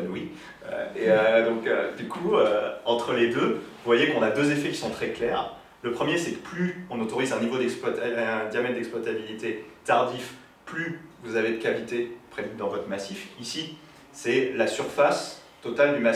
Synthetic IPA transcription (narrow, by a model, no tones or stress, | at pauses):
nwi | ø̰eød̪ɔ̃kø̰d̪ykʰuøɑ̃t̪χəled̪øvuvwajekɔ̃nad̪øzefɛkʲi̥sɔ̃t̪χɛklɛːʁ | ləpχəmjesɛkə̥plyɔ̃not̪ɔʁizɛ̃nivod̪ɛkspwaɛd̪jamɛt̪̚d̪ɛksplwat̪abilit̪et̪aʁd̪if | plyvuzaved̪əkavit̪epχed̪yd̪ɑ̃vɔt̪χəmasifisi | sɛlasyʁfas | t̪ɔt̪ald̪yma